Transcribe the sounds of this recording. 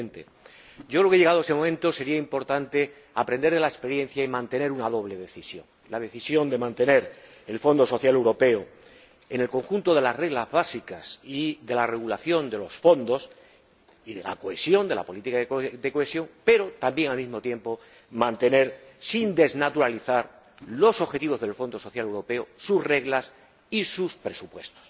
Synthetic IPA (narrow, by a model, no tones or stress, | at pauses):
nt̪ḛ | ɟ͡ʝokɾkeeɣaðoesemomẽnt̪o̞se̞ɾiaimpo̞ɾt̪ant̪e̞ | apɾe̞nd̪eɾðe̞laespe̞ɾjẽ̞n̟θjaimãnt̪e̞ne̞ɾunaðo̞β̞le̞ðe̞θisjo̞̰ŋ | lað̞e̞θisjo̞nd̪e̞mãnt̪e̞ne̞ɾ | e̞lfo̞nd̪o̞so̞θjale̞wɾo̞pe̞o | ene̞lko̞ŋxunt̪o̞ð̞e̞lasre̞ɣlazβasikasiðe̞lare̞ɣ̞ulaθjo̞nd̪e̞lo̞sfo̞nd̪o̞s | iðela̰ko̞e̞sjo̞nd̪e̞la̰po̞lit̪ikaðed̪e̞koesjo̞ŋpe̞ɾo̞t̪ambje̞ŋalmizmo̞t̪je̞mpo̞ | mãnt̪e̞ne̞ɾsind̪e̞znat̪uɾaliθaɾ | lo̞soxe̞t̪iβo̞zðe̞lfo̞nd̪o̞so̞θjale̞wɾo̞pe̞osusre̞ɣlas | isuspɾe̞supwe̞st̪o̥s